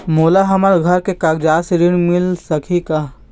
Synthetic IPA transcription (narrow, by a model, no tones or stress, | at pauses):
moːlaɦɐmaɾɡʱɐɾkekaɡd͡ʒaːseɾɪɽ̃mɪlsɐkʰikaː